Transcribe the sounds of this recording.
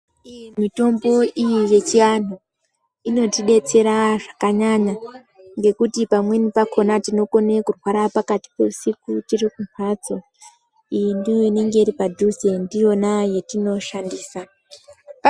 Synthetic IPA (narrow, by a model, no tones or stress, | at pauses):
imito̞mbo̞ijije̞t͡ʃian̤u | ino̞tiɗe̞t͡se̞ɾaʐakaɲaɲa | ŋɡe̞kutipamwe̞nipakʰo̞natino̞ko̞nekurwaɾapakati̥peusikutirikunwat͡so̞ | induine̞ŋɡe̞iɾipadʱuzendio̞naje̞tino̞ʃandiːsa